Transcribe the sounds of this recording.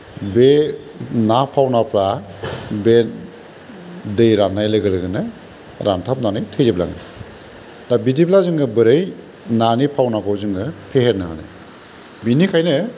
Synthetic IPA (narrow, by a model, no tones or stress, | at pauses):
be | napʰawnapɾa | ben | dɯjɾanːajlɯɡɯlɯɡɯnɯ | ɾantʰap̚nanɯjtʰɯjzebla̰ŋɯ̰ | dabitiplazɯŋɯbɯɾɯj | nanipʰawnaɡɔwzɯŋɯpʰeheɾnaɾa̰na̰j | binikʰajnɯ